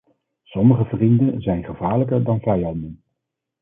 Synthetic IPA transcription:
sɔməχəvrindənzɛjnχəvaːɹləkəɹdɑnvɛjɑndən

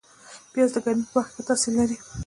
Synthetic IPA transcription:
bjɑzd̪əɡaɾmipəwaxket̪ɑselaɾi

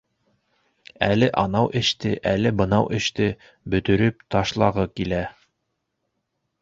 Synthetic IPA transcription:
ælɘʔɑnɑwʔɘ̆ʃt̪ɘʔælɘbɤ̆nɑwʔɘ̆ʃt̪ɘ | bɵ̆t̪ɵ̆ɾɵp̚t̪ɑʃlˠɑʁɤkilæ

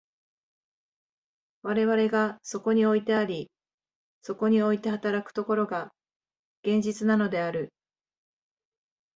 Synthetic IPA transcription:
βaɾe̞βaɾe̞ɡaso̞ko̞ɲ̟io̞it̪e̞aɾʲi | so̞ko̞ɲ̟io̞it̪e̞hat̪aɾakɯ̥t̪o̞ko̞ɾo̞ɡa | ɡ̥ẽ̞ɲ̟d͡ʑit͡sɨnano̞d̪e̞aɾɯ̟

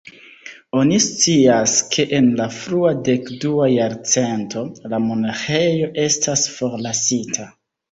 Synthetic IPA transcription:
o̞nist͡siaskʰe̞ʔenlafɾuade̞kduajaɾt͡se̞ntʰo̞lamo̞naxe̞jo̞ʔe̞stasfo̞ɾlasitʰa

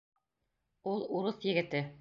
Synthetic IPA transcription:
ulˠuɾɤθjɘ̆ɡɘ̆t̪ɘ

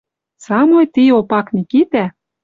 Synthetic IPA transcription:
sɑmojt̪iopɑknʲikit̪æ

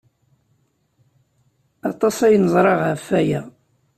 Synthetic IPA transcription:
ɑt̪ˤːɑsæjnəzˤɾˤɑʁhæfːæjæ

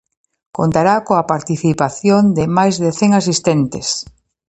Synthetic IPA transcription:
kont̪aɾakoapaɾt̪iθipaθjond̪ɪmajzðeθeŋasist̪ent̪ɪ̰s

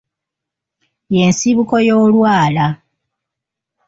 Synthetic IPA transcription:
je̞nsiβuko̞jo̞ːlwaːla

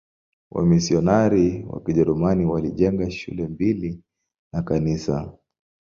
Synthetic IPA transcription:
wʔa̰misiɔnaɾiwa̰kiʄɛɾumaniwaliʄɛŋɡaʃṵlɛmbili | nakanisa

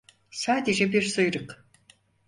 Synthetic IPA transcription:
saːd̪eʒebeɾsɨjɾɯq

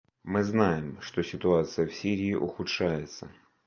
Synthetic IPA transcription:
mɨznajɪmʂt̪o̞sʲɪt̪ʊat̪sɨjəfsʲiɾʲɪːʔʊxʊt̪ʂajɪt̪sə̰

